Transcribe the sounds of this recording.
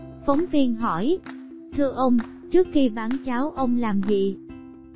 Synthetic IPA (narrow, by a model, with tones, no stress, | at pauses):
fə˨˦wŋ͡mvi˧ənɦɔ˧˩j | t̪ʰɨ˧əʔə˧wŋ͡m | t͡ɕɨ˦˥ək̚xi˧vaː˧˩nt͡ɕaː˨˦wʔə˧wŋ͡mlaː˨˩mzḭ˧˨